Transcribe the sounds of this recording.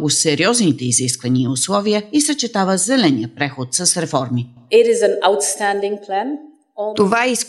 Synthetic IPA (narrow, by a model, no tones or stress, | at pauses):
ɡʊsɛɾiɔznit̪ɛiziskvɐniəiʊslˠɔviəisət͡ʃɛt̪avəzɛlɛniəpɾɛxot̪sɐsɾɛfɔɾmi | ɪɾɪzə̃naʊtstæ̃ndɪ̃ŋpʰlæ̃n | t̪ovais